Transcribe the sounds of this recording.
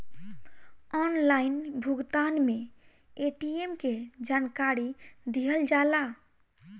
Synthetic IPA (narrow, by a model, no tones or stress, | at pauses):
ɔnlainbʱuɡt̪anme | eʈiemked͡ʒaːnkaɾid̪iɦəld͡ʒala